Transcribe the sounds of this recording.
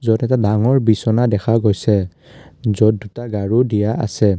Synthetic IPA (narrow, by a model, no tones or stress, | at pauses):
zɔtɛtadaŋɔɹbisɔnadɛxʰaɡojsɛ | zɔd̚dutaɡaɹudijaʔa̰sɛ